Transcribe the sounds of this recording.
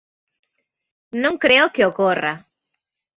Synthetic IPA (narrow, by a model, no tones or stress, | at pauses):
nõŋkɾeokeokora̰